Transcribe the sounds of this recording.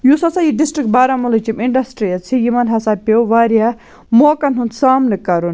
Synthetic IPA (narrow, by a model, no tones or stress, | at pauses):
jusɐt͡sajiɖisʈɾik̚ʈ̚baːɾɐmɐlɐt͡ʃimiɳɖɐsʈɾijɐt͡sʰijimɐnɦɐsapʲewʋaːɾa | moːkɐnɦund̪saːmnɨkɐɾun